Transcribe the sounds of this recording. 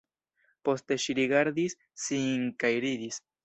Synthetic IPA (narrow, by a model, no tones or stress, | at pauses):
po̞ste̞ʃiɾiɡaɾd̪isː | iŋkajɾid̪is